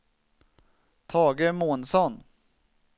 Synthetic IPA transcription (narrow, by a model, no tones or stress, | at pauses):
t̪ʰɑːɡəmuːnsɔn